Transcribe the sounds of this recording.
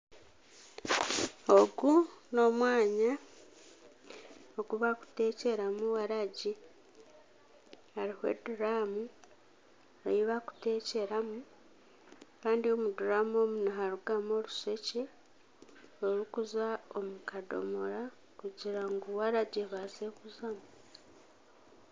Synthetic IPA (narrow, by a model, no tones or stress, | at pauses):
oɡuno̞mwaːɲa | oɡuβaku̥te̞ce̞ɾamuwaɾaɟi | aɾihwe̞̰duɾamu | ejiβaku̥te̞ːce̞ɾamu | kaːndio̞muduɾamo̞munaɦaɾuɡamo̞ɾuse̞ce̞ | oɾukuzaomukado̞̰moɾa | kuɟiɾaŋɡuwaɾaɟeβazekuzamu